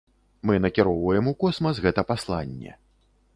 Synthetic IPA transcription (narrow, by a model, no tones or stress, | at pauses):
mɨnɐkʲiɾɔwvɐjɛmukɔsmɐzɣɛt̪ɐpaslˠa̰nʲːɛ̰